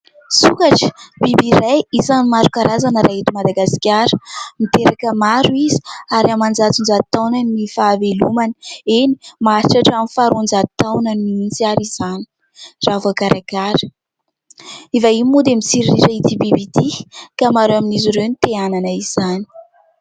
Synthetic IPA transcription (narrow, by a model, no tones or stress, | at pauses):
sukaʈ͡ʂə̥b̥ibiɾajizanimaɾukaɾʔazanəɾʔaɦit̪imad̪aɡasi̥kʲaɾəmit̪eɾakəmaɾuizi̥aɾiamand͡zat͡sund͡ʒat̪awnənifaːvelumanəeni̥maɾiʈ͡ʂaʈ͡ʂaminfaɾund͡zat̪awnəniint͡siaɾiz̥ani̥ | ravakaɾʔakaɾə̥ | ivaimud̪emit͡siɾiɾiɾait̪ibibid̪ikamaɾwaminiziɾewnit̪eananəiz̥ani̥